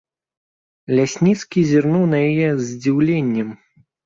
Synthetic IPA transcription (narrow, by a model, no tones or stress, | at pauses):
lʲasʲnʲit̪skʲizʲirnuwnɐjajɛzʲd͡zʲiwlʲenʲːɛm